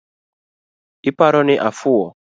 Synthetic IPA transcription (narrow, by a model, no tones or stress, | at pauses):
ɪpaɾɔnɪʔafʊwɔ